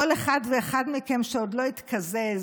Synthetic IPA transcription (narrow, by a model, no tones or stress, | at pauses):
oleχad̪veːχad̪mikemʃeod̪lo̞it̪kʰazez